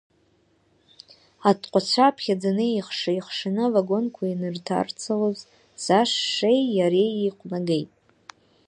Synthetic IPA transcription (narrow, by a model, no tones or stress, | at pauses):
atʰqʷʼat͡ɕʷʰapʰχʲad͡zanɨiχʂɨiχʂɨnɨvaɡo̞nkʷʰainɨrtʰa̰rt͡sʰaloz | z̥aʂːejːaɾejijqʷʼnaɡe̞jtʼ